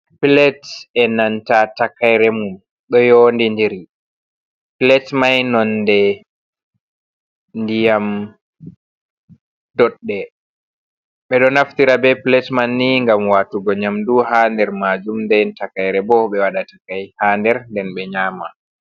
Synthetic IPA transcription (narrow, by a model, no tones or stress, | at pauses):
pilɛtɛnantatakajɾɛmum | ɗɔjondindiɾi | pilɛtmajnɔnːdɛ | ndijam | d̥ɔɗːɛ | ɓɛɗɔnaftiɾabɛpilɛtmanːiŋɡamwaːtuɡɔɲamduhandɛɾmad͡ʒumndɛntakajɾɛbɔɓɛwaɗatakajhaːndɛɾndɛnɓɛɲaːma